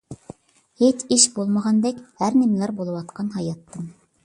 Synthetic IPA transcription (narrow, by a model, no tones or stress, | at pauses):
het͡ʃɪʃbolˠməʁɑnd̪ɛkʲhæɾnɪmɪlæɾbolˠɨwɑt̪qɑnɦɑjɑt̪ːɨm